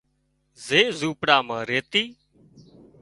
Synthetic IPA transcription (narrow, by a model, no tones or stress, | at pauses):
zeːzuːpɽaːmãːɾeːt̪iː